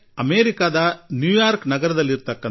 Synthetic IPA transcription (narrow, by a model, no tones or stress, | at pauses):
ɐmeːɾikaːd̪ɐnjuːjaːɾknɐɡɐɾɐd̪ɐlːiɾt̪ɐkːɐ